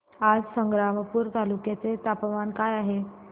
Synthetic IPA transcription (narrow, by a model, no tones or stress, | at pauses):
ad͡zsəŋɡɾaməpuːɾt̪alukjat͡set̪apʋankajaɦe